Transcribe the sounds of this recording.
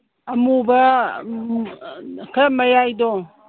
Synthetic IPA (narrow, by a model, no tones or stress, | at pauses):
ɐmubɐ | kʰmɐjajdɔ